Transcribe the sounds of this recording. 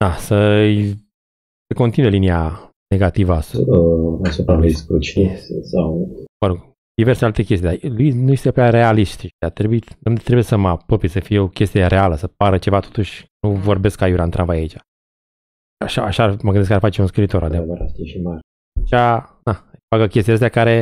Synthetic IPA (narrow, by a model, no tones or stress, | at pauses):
d̪asəj | səko̞nt̪inuje̞linia | ne̞ɡat̪ivəasəasupɾalujskɾut͡ʃesawvəɾoɡ | d̪ive̞rsealt̪e̞kʲest̪id̪aluinujest̪epɾʲaɾe̞aliʃt̪iʃid̪at̪ɾebujiomd̪t̪ɾebujesəmapəpesəfijeo̞kʲe̞st̪ijeɾe̞aləsəpaɾət͡ʃe̞vat̪o̞t̪uʃʲnuvo̞rbe̞skːajuɾant̪ɾã̰mvajait͡ʃḁ | aʃaːʃaməɡɨneskarfat͡ʃeunskɾilit̪o̞ɾʔa̰d̪eɾast̪ieʃimaɾʲ | t͡ʃad̪afakəkʲest̪idəst̪akaɾe̞